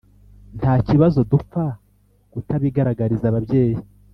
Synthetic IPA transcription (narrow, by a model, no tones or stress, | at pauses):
ntʰaːciβazo̞dufa | ɡ̥utaβiɡaɾaɡaɾizaβabɟe̞ːji